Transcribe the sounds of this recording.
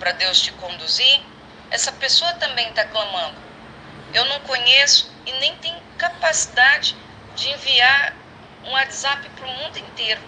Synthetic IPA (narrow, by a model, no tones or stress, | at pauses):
pɾɐd̪ewst͡ʃɪkõnd̪uziɾ | ɛsɐpesoɐt̪ɐ̃mbẽj̃t̪aklɐ̃mɐ̃nd̪ʊ | ewnɐ̃w̃kõɲesʊ̥ | ɪnẽj̃t̪ẽjɲʊkapasid̪ad͡ʒɪ | d͡ʒɪẽviaɾ | ũat̪zapɪpɾumũnd̪ʊĩnt̪ejɾʊ